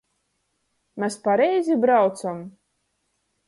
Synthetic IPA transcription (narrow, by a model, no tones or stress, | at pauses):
mʲɛspaɾɛjzʲibɾawt̪sam